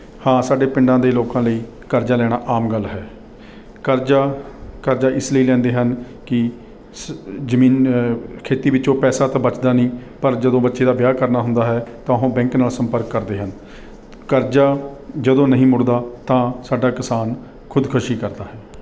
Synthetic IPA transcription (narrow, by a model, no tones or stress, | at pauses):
hãːsaːɖeːpɪɳɖãːd̪eːloːkãːləiː | kəɾd͡ʒaːlɛːɽ̃aːʔaːmɡəlːɦɛː | kəɾd͡ʒaːkəɾd͡ʒaːʔɪsləiːlɛ̃ːnd̪eːɦən | kɪ | zəmĩːnkʰeːt̪iːbɪt͡ʃõːpɛːsaːt̪aːbət͡ʃd̪aːnĩːpəɾd͡ʒəd̪õːbətːʃeːd̪aːʋjaːkəɾnaːɦʊ̃nd̪aːɦɛːt̪ãːɦõːbɛ̃ːŋknaːlsəmpəɾkːəɾd̪eːɦən | kəɾd͡ʒaːd͡ʒəd̪õːnəɦĩːmʊɽd̪aːt̪ãːsaːɖaːkɪsaːn | kʰʊd̪kʰʊʃiːkəɾd̪aːɦɛː